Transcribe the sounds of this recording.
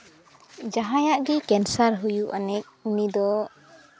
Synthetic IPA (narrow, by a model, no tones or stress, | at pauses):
d͡ʒaɦãjaʔɡikɛnsaɾɦujuʔanɛc̚unid̪ɔ